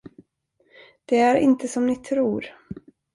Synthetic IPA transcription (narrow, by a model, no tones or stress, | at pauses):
d̪̥ɛæɾɪ̰nt̪əsɔmnɪt̪ʰɾuːɾ